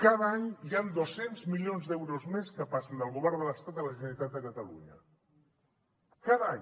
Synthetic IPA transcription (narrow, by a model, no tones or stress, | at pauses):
kaðaɲjand̪osenzmilionzd̪ɛwɾozmeskəpasənd̪əlˠɣuβɛɾd̪ələst̪at̪d̪ələʒənəɾit̪at̪̚d̪əkət̪əlṵɲə̰ | kaðaɲ